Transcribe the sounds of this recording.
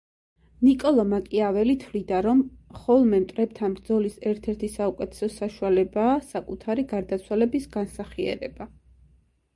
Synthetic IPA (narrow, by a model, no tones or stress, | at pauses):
nikʼɔlˠɔmakʼiavɛlit̪ʰvlid̪aɾɔmχɔlˠmɛmt̪ʼɾɛp̚t̪ʰanbɾd̪zɔlisɛɾt̪ʰɛɾt̪ʰisaukʼɛt̪ʰɛ̥sɔsaʃualɛbaːsakʼut̪ʰaɾiɡaɾd̪at̪sʰwalɛbisɡansaχiɛ̰ɾɛ̰ba